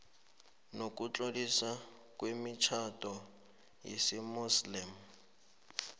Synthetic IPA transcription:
nokʼut͡ɬʼodisa | kwemit͡ʃʰatɔ | jḭsimuslim̩

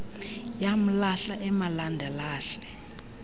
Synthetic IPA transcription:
jam̩laɬaʔɛmalandʱɛlaːɬɛ̥

